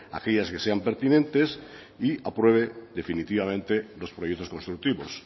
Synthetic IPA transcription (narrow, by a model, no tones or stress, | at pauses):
a̰keʎaskeseampeɾt̪inẽnt̪es | iapɾweβ̞ed̪efinit̪iβamẽnt̪elospɾojet̪oskonst̪ɾuk̚t̪iβos